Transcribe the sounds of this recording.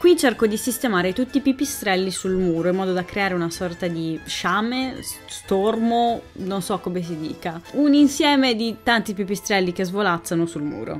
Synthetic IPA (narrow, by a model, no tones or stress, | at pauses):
kwit͡ʃerkod̪isist̪emaːɾet̪ut̪ːiːpːipːist̪ɾɛlːisulmuːɾoimːɔːd̪od̪akɾeaːɾeunasɔrt̪ad̪iʃaːmest̪ormononsɔkːomes̬id̪ḭːkauninsjɛːmed̪it̪ant̪ipipːist̪ɾɛlːik̟ezvolat̪sːanosulmṵːɾo̰